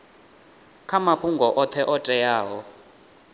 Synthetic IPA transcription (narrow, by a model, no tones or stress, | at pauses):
kʰamapʰuŋɡɔʔɔt̪ʰɛʔɔtʼɛjaːɦɔ